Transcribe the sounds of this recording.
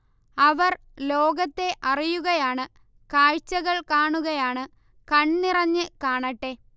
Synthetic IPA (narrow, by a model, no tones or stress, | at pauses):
ɐʋɐr | lo̞ːɡɐt̪ːe̞ʔɐrijuɣɐjaːɳɨ | kaːɻt͡ɕːɐɣɐɭkaːɳuɣɐjaːɳɨ | kɐɳnirɐɲːɨkaːɳɐʈːe̞ː